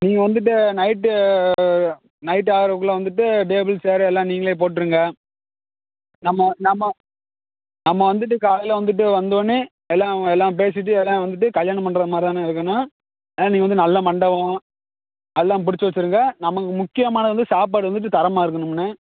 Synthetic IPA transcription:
niːŋɡɐʋɐnd̪ɯʈ̬ːɯnɐɪʈːɯ | nɐɪʈ̬ːaːɣɾɐʋɯk̬ːɯlɐʋɐnd̪ɯʈ̬ːɯʈeːbɪlseːɾɛlːãːniːŋɡɐɭeːp̬oːʈ̬ːɾɯŋɡɐ | nɐmːɐnɐmːɐ | nɐmːɐʋɐnd̪ɯʈːɯkaːlɐɪlɐʋɐnd̪ɯʈ̬ːɯʋɐnd̪ʋɐnːɯ | ɛlːãːɛlːãːp̬eːs̬ɪʈːɯɛlːãːʋɐnd̪ɯʈ̬ːɯkɐljaːɳɐmpɐɳɖɾɐðɯmaːd̪ɾɪt̪aːnːãːɪɾɯkːɐnːaː | ɛlːãːniːŋɐnd̪ɯnɐlːɐmɐɳɖɐʋõ | ɛlːãːpʊɽɪt͡ʃːɯʋɐt͡ʃːɯɾɯŋɡɐnɐmɐkːɯmʊkːɪjɐmaːnɐðɐʋɐnd̪ɯsaːp̬aːʈɯʋɐnd̪ɯʈːɯt̪ɐɾɐmaːɪɾɯkːɐnɯmɛnːɯ

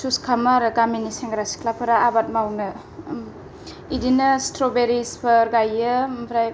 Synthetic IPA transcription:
suskʰamaɾɐkaminiseŋɡɾasi̥kʰlapʰɯɾaabat̚mawnɯ | idinɐstɾobeɾispʰɐɾɡajːəmbɾaj

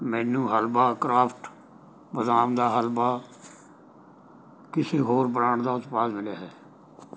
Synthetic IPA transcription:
mɛːnũːɦəlbaːkɾaːpʰʈ | bəd̪aːmd̪aːɦəlbaː | kɪseːɦoːɾbəɽaːɳd̪aːʊt̪paːsmɪlaːɦɛː

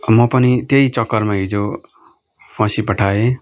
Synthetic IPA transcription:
mʌpʌnit̪ejt͡sʌkːʌrmaɦid͡zo | pʰʌ̃sipʌʈʰae

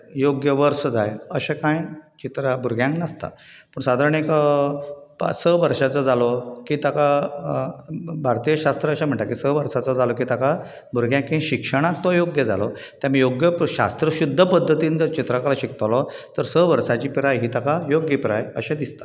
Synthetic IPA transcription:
joɡjəʋəɾsd͡zajəɕakãjt͡ɕit̪ɾabuɾɡjãŋknəst̪a̰ | pəɳsad̪ʱaɾəɳekə | səʋəɾʂat͡səd͡zalɔkiːt̪aka | bʱaɾt̪ijəɕast̪ɾəːɕam̤əɳʈ̪akisəʋəɾsat͡səd͡zalɔkit̪aka | buɾɡjãŋkːĩɕikʂəɽ̃ak̚t̪ɔjoɡjəd͡za̰lɔ | t̪jamijoɡjəɕa̰st̪ɾəɕud̪ʱːəpəd̪ʱːət̪iːnd͡zəɾt͡ɕit̪ɾakalaɕikt̪alɔt̪əɾsəʋəɾsat͡ɕiːpɾajɦiːt̪akajoɡjəpɾajə̰ɕãd̪ist̪ḁ

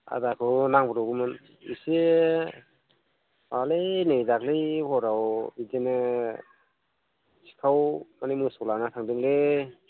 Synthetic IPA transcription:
a̰dakʰɯnaŋbɯɾɔɡɯmɯn | ḭse | alenɯjdaklihɔɾawbizenɯ | si̥kʰawmanimɯsɔlanat̪ʰaŋdɯŋle

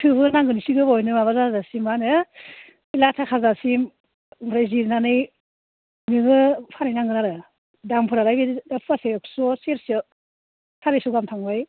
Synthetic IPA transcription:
tʰɯbɯnaŋɡɯnisiɡɯbajnɯmaβazazasimanɯ | ilatʰakʰazasim | ɾajziɾnanɯj | mɯŋɯpʰaɾajnaŋɡɯnaɾɯ | dampʰɯɾaɾajbidapʰpasejksɔseɾsa | sʰaɾesɔɡamtʰaŋbaj

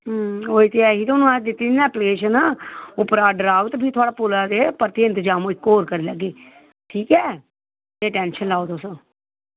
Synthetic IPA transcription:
oːiːt̪eːɛːɦiːt̪oːnũːãːd͡ʒd̪ɪt̪ːiːaːpleːʃənaːʊpəɾaːɖɾaːʋət̪bʱiːt̪ʰʊaːɽaːpʊlaːd̪eːpəɾt̪iːə̃nt̪əd͡ʒaːmõːɪkːoːɾkəɾiːləɡːeː | ʈʰiːkɛː | nẽːʈɛːnʃənlaːoːt̪ʊsõː

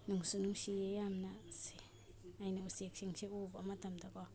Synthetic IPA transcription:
nuŋsunuŋʃiejamnase | ajnausekʃiŋʃeʔubamat̪amd̪ako

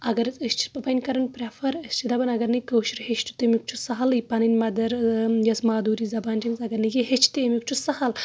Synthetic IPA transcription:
ɐɡɐɾɨt͡sɐst͡ʃʰi̥pɐpɐnʲkɐɾɐnpɾʲɐfʰɐɾɐst͡ʃʰid̪ɐbɐnɐɡɐɾnɨkəwʃiɾhet͡ʃʈʰu̥t̪emʲuk̚t͡ʃʰusɐɦɐlɨjpɐninʲmɐd̪ɐɾjɐsmaːd̪uːɾizɐbaːnd͡ʒɐŋɡzɐɡɐɾnɨjeɦet͡ʃʰt̪emʲjuk̚t͡ʃʰusɐhɐl

